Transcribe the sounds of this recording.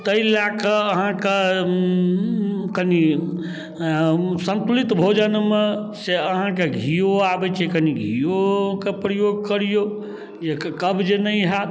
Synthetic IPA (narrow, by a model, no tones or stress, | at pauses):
t̪əilakeːɦãke | kəni | sənt̪ulit̪bʱod͡ʒənmeseəɦãk̬eɡʱijoabɛt͡ʃʰikəniɡʱijokepɾəjoɡ̚kəɾijo | d͡ʒekəbʱd͡ʒenəjɦat̪